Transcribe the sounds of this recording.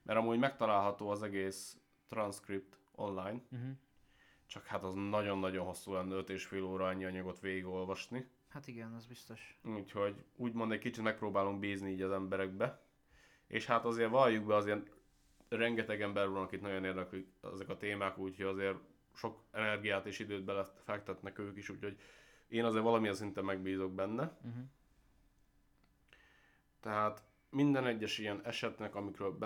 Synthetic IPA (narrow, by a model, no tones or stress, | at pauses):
mʔɛɾɒmuːɟmɛk̚t̪ɒlaːlɦɒt̪oːɒzɛɡeːs | t̪rɒnskrip̚t̪ | o̞̰nlajn | t͡ʃɒkhat̪ɒznɒɟo̞nːɒɟo̞nɦo̞sːuːlɛnːɛøt̪eːʃfeːloːɾɒɛɲːiɒɲɒɡo̞t̪ʋeːɡiɡo̞lvɒʃni | hat̪iɡɛnɛzbist̪oʃuːcho̞ɟuːɟmo̞nd̪ɛckit͡ʃit̪mɛk̚proːbaːluŋɡbiːzniiːɟɒzɛmbɛɾɛɡ̚bɛ | ʔḛːʃhat̪ɒzeːrʋɒjuɡbɛɒzeːn | rɛŋɡɛt̪ɛɡɛmbɛɾʋɒnɒkit̪nɒɟo̞neːrd̪ɛklykɛ̰zɛkɒt̪eːmaːkuːcho̞ɟɒzeːr | ʃo̞kɛnɛrɡijaːt̪eːʃid̪øːd̪̚bɛlɛfɛk̚t̪ɛt̪nɛkøːkiʃuːcho̞ɟeːnɒzeːɾʋɒlɒmijɛnsint̪ɛmmːɛɡbiːzo̞ɡ̚bɛnːɛ | t̪ɛɦaːt̪ | mind̪ɛnɛɟːɛʃijɛnɛʃɛt̪nɛkɒmikɾøːlb